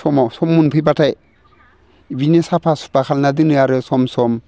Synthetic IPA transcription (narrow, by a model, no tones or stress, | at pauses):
sɔmawsɔmːunpʰɯjpatʰaj | binesapʰasu̥pakʰalnadɯnɯjaɾɯsɔmsɔm